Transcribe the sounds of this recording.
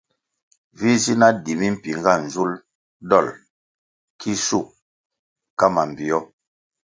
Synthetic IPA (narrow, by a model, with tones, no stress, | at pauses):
vi˦zi˦na˦di˨mi˦m̩˨pi˨ŋɡa˦˨n̩˨zu˦l | dɔ˦˨l | kʰi˦su˦˨ | ka˦ma˨m˨bi˨ɔ˦